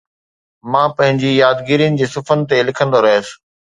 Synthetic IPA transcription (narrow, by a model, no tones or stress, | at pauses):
mãːpɐ̃ɦɪ̃ɲd͡ʑijaːd̪ɡiɾijənɪ̆d͡ʑeːsʊfənt̪elɪkʰə̃nd̪oɾɐɦəsɪ̥̆